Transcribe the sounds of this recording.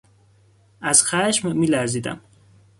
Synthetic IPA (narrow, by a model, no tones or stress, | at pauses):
æz̥xæʃmmiːlæɾziːd̪æ̰m